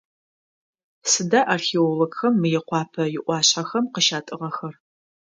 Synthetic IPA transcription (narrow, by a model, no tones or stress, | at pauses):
sɨdaʔarxeoloɡxɐmːɨjɛqʷɑːpʰɐjɪʔʷɑːɕħaxɐmqəʃaːtʼɨʁɐxɐr